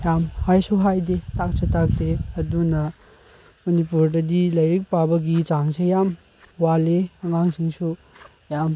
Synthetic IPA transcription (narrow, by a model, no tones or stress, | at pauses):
jamhajsuɦajdetʰak̚sʰetʰak̚deɐdunɐ | mɐnipuɾdɐdilɐjɾik̚pabɐɡit͡ʃaŋsejam | waleɐŋaŋsiŋsu | jam